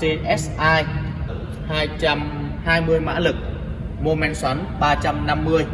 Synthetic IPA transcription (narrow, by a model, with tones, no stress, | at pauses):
se˧ʔɛ˦˥sʔaː˧j̚ | haː˧jt͡ɕa˧m | haː˧jmɨ˧əjma̰ː˧˥lɨ˨˩k̚ | mu˧mɛ˧˩nswa˨˦nɓaː˧t͡ɕa˧mna˧mːɨ˧əj